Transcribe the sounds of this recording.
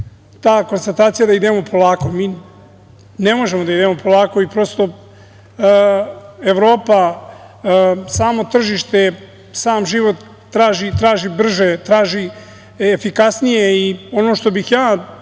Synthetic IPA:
t̪aːko̞nst̪at̪aːt̪sijad̪aid̪e̞mo̞pʰo̞laːko̞miː | ne̞mo̞ʒe̞mod̪aid̪emo̞po̞lˠaːko̞ipɾo̞st̪o̞ | eʋɾo̞ːpa | saːmo̞t̪r̩ʒiʃt̪e̞ | saːmʒiʋo̞t̪ː | ɾaːʒit̪ɾaːʒibr̩ʒet̪ɾaːʒiː | fikasnijeio̞noːʃt̪o̞bixjaː

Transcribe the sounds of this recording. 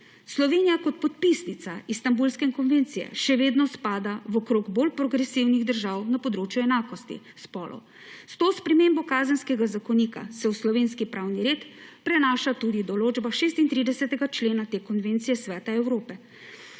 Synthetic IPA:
slɔʋeːnijakɔt̪̚pɔt̪̚pisnit̪saist̪ambulskɛiŋkɔnvent̪sijɛ̰ʃɛʋeːd̪nɔspaːd̪awɔkɾoɡbolpɾɔɡɾɛsiwniɣd̪əɾʒaːwnapɔd̪ɾoːt͡ʃjuɛnaːkɔst̪ḭ | spɔːlʔɔ̰ | st̪oːspɾɛmeːmbɔkaːzənskɛɡazakɔniːka̰sɛwslɔʋeːnskipɾawniɾeːt̪pɾɛnaːʃat̪uːd̪id̪ɔloːd͡ʒbaʃeːst̪int̪ɾiːd̪ɛsɛt̪ɛɡat͡ʃleːnat̪eːkɔnʋeːnt̪sijɛsʋɛːt̪aɛwɾoːpɛ

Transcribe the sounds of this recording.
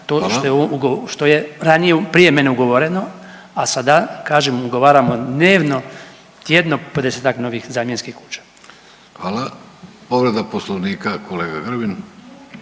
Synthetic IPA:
t̪oːʃt̪ojouɡoʃt̪o̞jeɾanijepɾije̞me̞neuɡoʋoɾeno̞ | asad̪akaːʒemuɡoʋaːɾamod̪neːʋno̞ | t̪jed̪nopod̪eseːt̪akno̞ʋixzaːmjenskixku̥ːt͡ʃḁ | xʋaːla | poʋɾed̪aposlˠoʋniːkakʰoleːɡa̰ɡr̩bin

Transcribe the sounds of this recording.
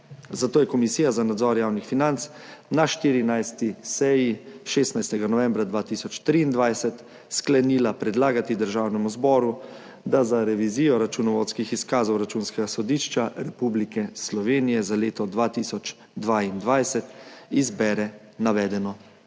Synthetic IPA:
zat̪oːjɛkɔmisiːjazanad̪zɔɾjaːwnixfinant̪s | naʃt̪iːɾinajst̪isɛjiʃeːst̪najst̪ɛɡanɔʋɛ̃mbɾad̪ʋaːt̪isɔt͡ʃt̪ɾiːnd̪ʋajsɛt̪ | sklɛniːlapɾɛd̪laːɡat̪id̪əɾʒaːwnɛmuzbɔːɾu | d̪azaɾɛʋiziːjɔɾat͡ʃunɔʋot̪skixiskaːzɔwɾat͡ʃuːnskɛɡasɔd̪iːʃt͡ʃaɾɛpublikɛslɔʋeːnijɛzaleːt̪ɔd̪ʋaːt̪isɔt͡ʃ | d̪ʋaind̪ʋajsɛt̪izbɛːɾɛ | naʋɛːd̪ɛnɔ

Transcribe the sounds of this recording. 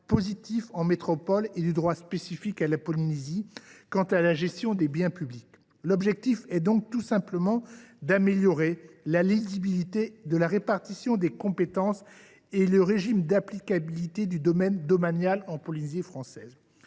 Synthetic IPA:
pozit̪ifɑ̃met̪χɔpɔled̪yd̪ʁwaspesifikalapɔlinezikɑ̃t̪alaʒɛst̪jɔ̃d̪ebjɛ̃pyblik | lɔbʒɛk̚t̪ifɛd̪ɔ̃k̚t̪usɛ̃pləmɑ̃d̪ameljɔʁelalizibilit̪ed̪əlaʁepaʁt̪isjɔ̃d̪ekɔ̃pet̪ɑ̃s | eləʁeʒimd̪aplikabilit̪ed̪yd̪ɔmɛnd̪ɔmanjalɑ̃pɔlinezifχɑ̃sɛːz

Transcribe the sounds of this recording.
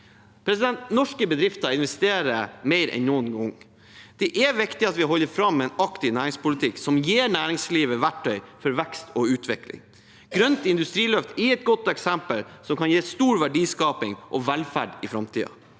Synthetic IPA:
pʰɾɛsɪd̪ɛnt̪nɔʂkəbəd̪ɾɪft̪ɑɪnʋɛst̪eːɾəmæɪɾʔɛ̰nnuːənɡɔŋ | d̪̥ɛʔɛʋɪkt̪ɪɑt̪ʋɪɦɔlːəɾfɾɑmːɛnɑkt̪ɪnæːɾɪŋspʊlɪt̪ʰɪksɔmjeːɾɳæːɾɪŋsliːʋəʋæʈʰːœʏfɔɾʋɛkst̪ʰɔʉːt̪ʰʋɪklɪ̰ŋ | ɡ̥ɾœnt̪ɪnd̪ʉst̪ɾiːlœft̪ɪɛt̪̚ɡɔt̪ːɛksɛmpəlsɔmkʰɑnjeːst̪uːɾʋæɖiːskɑːpɪŋʔɔʋɛlfæɖɪfɾɑmt̪ʰḭːɑ̰

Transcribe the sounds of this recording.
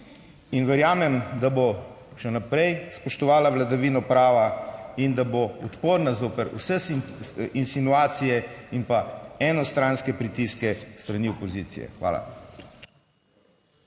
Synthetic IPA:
inʋɛɾjaːmɛmd̪abo | ʃɛnapɾɛjspɔʃt̪ɔʋaːlaʋlad̪aʋiːnɔpɾaːʋaind̪aboɔt̪poːɾnazoːpɛɾṵsɛ | insinuaːt̪sijɛinpaɛnɔst̪ɾanskɛpɾit̪iskɛst̪ɾaniɔpɔziːt̪sḭjɛ̰xʋa̰ːla̰

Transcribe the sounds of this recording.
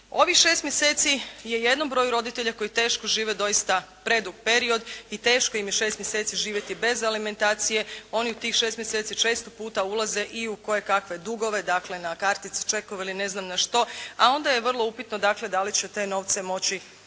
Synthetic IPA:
o̞ʋixʃe̞ːst̪mjeseːt̪sije̞je̞d̪no̞mbɾo̞ːjuɾo̞d̪it̪e̞ʎako̞jit̪e̞ːʃko̞ʒiːʋed̪o̞jist̪apɾe̞d̪uɡpe̞ɾio̞d̪it̪e̞ːʃkojimjeʃe̞st̪mjese̞ːt̪siʒiːʋje̞t̪ibe̞zalime̞nt̪aːt̪sije̞o̞niut̪iːxʃest̪mjeset̪sit͡ʃe̞ːst̪opuːt̪aulˠaze̞ʔiuko̞je̞kakʋe̞d̪uɡo̞ʋe̞d̪akle̞nakaɾt̪it̪si̥t͡ʃe̞koiline̞znamnaʃt̪o̞a̰o̞nd̪aje̞ʋr̩lˠo̞upit̪nod̪akle̞d̪alit͡ɕet̪e̞no̞ʋt̪se̞mo̞t͡ɕi

